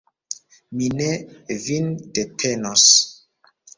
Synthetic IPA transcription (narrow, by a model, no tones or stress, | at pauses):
minevind̥etʰɛnos